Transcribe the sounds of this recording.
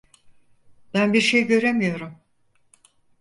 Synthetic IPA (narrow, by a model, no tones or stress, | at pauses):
b̥ænbiɾʃe̞jɟø̞ɾe̞mijo̞ɾum